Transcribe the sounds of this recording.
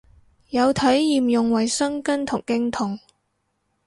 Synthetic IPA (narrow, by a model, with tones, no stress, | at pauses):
jɐ˨˧wt̪ʰɐ˨˥jːiː˨mjʊ˨˩ŋwɐ˨˩jsɐ˥ŋkɐ˥nt̪ʰʊ˨˩ŋkɪ˥ŋt̪ʰʊ˨˩ŋ